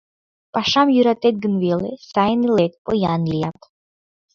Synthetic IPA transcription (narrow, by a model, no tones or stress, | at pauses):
paʃamjuɾat̪ɛt̪̚ɡɨnvelˠesajnilɛt̪̚pɔjanlijat̪